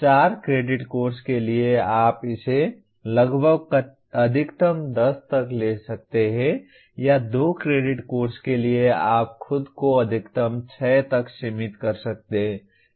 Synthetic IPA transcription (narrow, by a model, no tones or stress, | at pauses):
t͡ʃaːɾkɾeɖɪʈkoɾskelieaːpɪse | ləɡbʱəɡk | əd̪ʱikt̪əmd̪əst̪əklesək̚t̪eɦɛ̃ | jad̪okɾeɖɪʈkoːɾskelieaːp̚kʰʊd̪koəd̪ʱikt̪əmt͡ʃʰɛt̪əksimit̪kəɾsək̚t̪eɦɛ̃